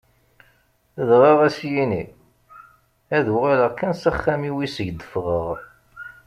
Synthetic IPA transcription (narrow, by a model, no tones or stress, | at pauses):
əðʁɑʁæsjini | æðuʁaləkænsæχːæmiwisəʝd̪ːəfʁəʁ